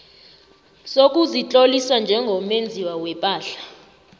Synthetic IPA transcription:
sok̬ʼuzit͡ɬʼolisand͡ʒʱɛŋɡʱɔmend͡zʱiwawɛpʼaːɬḁ

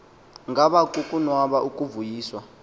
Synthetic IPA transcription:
ŋɡʱaɓakukʼunwaɓaʔukʼuvujiːswa

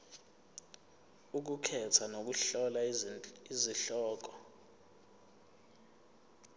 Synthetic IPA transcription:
uk̬ukʰɛtʰanok̬uɬɔlaiziɬɔːk̬ɔ

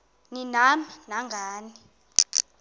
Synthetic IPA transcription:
ninaminaŋɡʱaːni

